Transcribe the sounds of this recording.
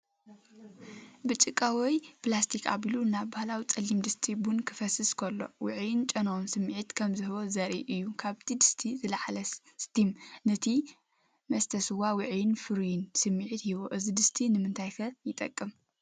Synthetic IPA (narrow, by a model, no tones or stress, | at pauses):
bɨt͡ʃʼɨkʼːawɔjplast̪ʰikʰa̰βilunaβbahlawit͡sʼɐlimd̪ɨst̪ʰibunkʰɨfɐsɨskʰɐlːo̞̰wɨʕjɪnt͡ʃʼɐnownsɨmːiʕit̪kʰɐmzɨɦɨwozɐɾḭʔɨjːukʰaβt̪ʰid̪ɨst̪ʰizɨlaʕalɐ | st̪ʰimnɐt̪ʰi | mɐst̪ʰɐsɨwawɨʕjɪnfɨɾjinsɨmːiʕit̪hiβoʔɨzid̪ɨst̪ʰinɨmɨnt̪ʰajkʰɐjɪt̪ʼɐ̰kʼːɨm